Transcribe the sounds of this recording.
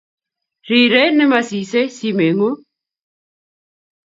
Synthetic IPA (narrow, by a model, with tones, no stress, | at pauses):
ɾi˨ɾɛ˦nɪ˦ma˨si˨sɛ˦si˦me˨ŋo˦